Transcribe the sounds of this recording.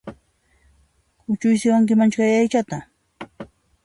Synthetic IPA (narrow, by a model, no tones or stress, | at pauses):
kʊt͡ʃʊjsɪwaŋkɪmant͡ʃkajajt͡ʃat̪a